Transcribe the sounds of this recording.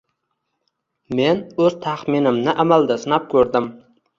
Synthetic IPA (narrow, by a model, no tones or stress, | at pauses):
menɵz̥t̪ʰaχmɪnɪmnɪʔamald̪asɪnap̚kʲʰɵɾd̪ɪm